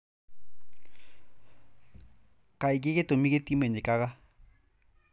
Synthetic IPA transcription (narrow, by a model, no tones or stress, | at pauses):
kʼaik̬ʼɪkɪtʼomiketʼimɛɲɛkʼaka